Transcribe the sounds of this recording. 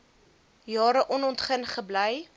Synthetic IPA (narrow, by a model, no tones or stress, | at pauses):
jɑːɾəʔɔnɔntχənχəbləj